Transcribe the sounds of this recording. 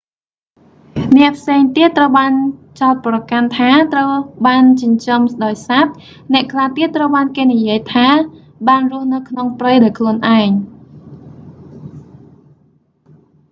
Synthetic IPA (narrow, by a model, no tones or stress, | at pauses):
nɛ̆əʔpʰseːŋt̪iət̪ːrəwɓaːnt͡ɕaɔt̪̚prɑkant̪ʰaːt̪rəwɓaːnt͡ɕʊ̆ɲt͡ɕɑmsɗaɔjsat̪̚ | nɛ̆əʔkʰlaːt̪iət̪ːrəwɓaːnkeːnijiəjt̪ʰaː | ɓaːnrʊ̆əhnɨwkʰnoŋprəjɗaɔkʰluənʔaɛŋ